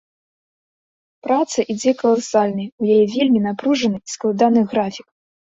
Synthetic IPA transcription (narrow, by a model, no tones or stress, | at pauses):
pɾat̪sɐʔid͡zʲɛkɐlˠasalʲnɐjujajɛvʲelʲmʲinapɾuʐɐnɨisklˠad̪anɨɣɾafʲik̚